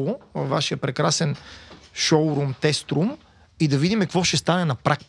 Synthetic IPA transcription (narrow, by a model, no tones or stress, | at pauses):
ʊvaʃijəpɾɛkɾasɛnʃoʊɾumt̪ɛst̪ɾum | id̪ɐvid̪imɛkkvɔʃɛst̪anɛnɐpɾak̚t̪